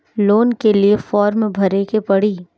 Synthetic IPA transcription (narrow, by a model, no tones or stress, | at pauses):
loːnkeliefɔːɾmbʱɐɾekepɐɽiː